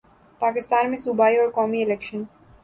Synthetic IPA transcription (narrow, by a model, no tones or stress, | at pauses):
paːkɪst̪aːnmẽsubaːiɔːɾkɔːmiɪlekʃən